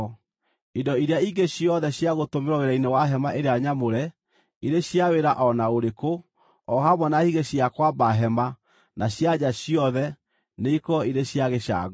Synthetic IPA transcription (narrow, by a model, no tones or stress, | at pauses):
indɔiɾeaiɡeɕiɔðɛɕjaɣotomeɾɔɣeɾainewaɦɛmaʔeɾeaɲamoɾɛ | iɾeɕjaweɾaʔɔnaoɾeko | ɔɦamwɔnahiɣeɕjakwabaɦɛma | naɕjaɲaɕijɔðɛ | neikɔiɾeɕjaɣeɕa̰ɣ